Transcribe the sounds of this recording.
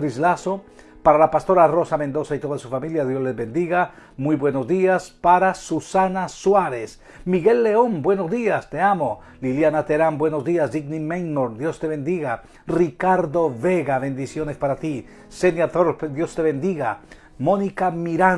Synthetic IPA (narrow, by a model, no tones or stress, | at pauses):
ɾizlaso̞ | paɾalapast̪o̞ɾaro̞samẽ̞nd̪o̞sait̪o̞ðasufamiljaðjo̞zle̞zβe̞nd̪iɣamujβwe̞no̞zðiaspaɾasusanaswaɾe̞s | miɣe̞lːe̞o̞mbwe̞nozðiast̪e̞amo̞ | liljanat̪e̞ɾambwe̞no̞zðiazd̪iɣnimejnoɾd̪jo̞st̪e̞βe̞nd̪iɣa | rikaɾðo̞βe̞ɣaβe̞nd̪isjo̞ne̞spaɾat̪i | senjat̪oɾpd̪jo̞st̪e̞βe̞nd̪iɣa | mo̞nikamiɾa